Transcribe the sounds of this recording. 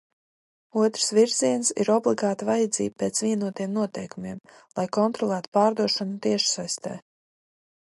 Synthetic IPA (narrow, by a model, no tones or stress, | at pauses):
uɔt̪ɾsviɾziɛnsḭɾɔblˠiɡaːt̪avajad̪zḭːb̚pɛːt̪sviɛnuɔt̪ijɛmnuɔt̪ɛjkumiɛm | lˠajkɔnt̪ɾɔlˠæːt̪u̥paːɾd̪uɔʃɔnut̪iɛʃsajst̪ɛ̰ː